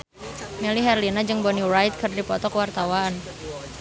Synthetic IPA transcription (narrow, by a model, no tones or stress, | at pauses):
meliɦɛrlinad͡ʒɨŋbɔnirajt̪̚kɨrdipɔt̪ɔkəwart̪awaːn